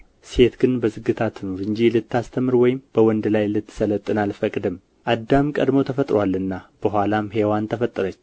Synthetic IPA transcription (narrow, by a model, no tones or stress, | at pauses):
se̞t̪ɡɨnbəzɨɡːɨt̪ʰat̪ʰːɨnoɾɨnd͡ʒilɨt̪ːast̪ʰəmɨɾwɔjɪmb̥əwɔnd̪lajlɨt̪ːsələt̪ʼːɨnalfəkʼd̪ɨm | ʔad̪ːamkʼəd̪mo̞t̪ʰəfət̪ʼɾwalɨnːab̥əɦʷalamɦe̞want̪ʰəfət̪ʼːɨɾət͡ʃː